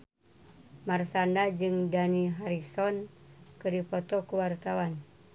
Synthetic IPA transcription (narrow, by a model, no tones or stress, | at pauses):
marsandad͡ʒɨŋdaniɦaɾisɔnkɨɾipɔt̪ɔkuwart̪awan